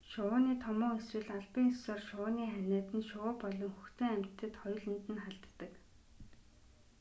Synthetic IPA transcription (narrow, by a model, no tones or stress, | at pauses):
ʃʊːniːt̪ʰɔmɔːŋɵsrɘ̆ɮaɮpiŋssɔːrʃʊniːχænʲæːt̪ɘ̆nʃʊʊːpɔɮɞ̆ŋxuxt̪ɘ̆ŋæm̥t̪ʰːɘ̆t̪χɔjɮə̆nt̪ɘ̆nχaɮt̪ːə̆k